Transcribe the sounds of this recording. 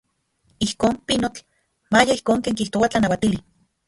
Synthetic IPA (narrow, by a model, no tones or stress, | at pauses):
ihkoːmpinot͡ɬ | majaihkoːŋkeːŋkiht̪owat͡ɬanawat̪ili